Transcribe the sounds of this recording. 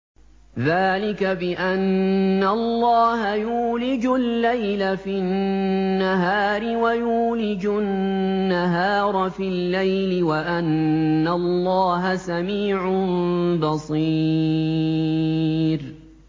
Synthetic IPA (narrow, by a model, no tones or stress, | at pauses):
ðaːlɪkabɪʔanːalˤːɑːhajuːlɪd͡ʒʊlːajlafiː | aɦaːɾɪwajuːlɪd͡ʒʊː | aɦaːɾˤɑfilːajlɪwaʔanːalːɑːɦasamiːʕʊbɑsˤiː | ɾ